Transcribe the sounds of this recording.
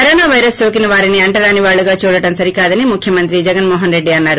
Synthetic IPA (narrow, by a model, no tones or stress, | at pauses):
kɐɾoːnaːʋɐjɾɐsjoːk̬inɐʋaːɾiniɐɳʈɐɾaːniʋaːɭːuɡaːt͡ʃuːɽɐʈɐmsɐɾikaːd̪ɐnimukʰjɐmɐnt̪ɾid͡ʒɛɡɐnmɔːɦɐnɾe̞ɖːiɐnːaːɾu